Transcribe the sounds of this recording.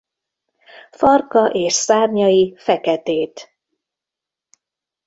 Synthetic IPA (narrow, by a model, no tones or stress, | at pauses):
fɒrkɒʔeːʃsaːrɲɒjifɛkɛt̪eːt̪